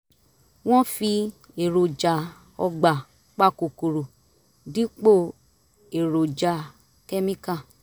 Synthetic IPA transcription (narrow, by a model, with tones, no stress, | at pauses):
w̃ɔ̃˦fi˧ | e˨ɾo˨d͡ʒa˨ | ɔ̰˧ɡ͡ba˨ | k͡pa˦˨ko˨ko˨ɾo˨ | di˦k͡po˦˨ | e˨ɾo˨d͡ʒa˨ | kɛ˦mĩ˦kã˦˨